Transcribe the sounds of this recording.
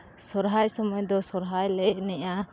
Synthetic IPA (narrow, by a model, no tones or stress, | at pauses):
sɔɾɦajsɔmɔjd̪ɔsɔɾɦajlɛʔnɛʔa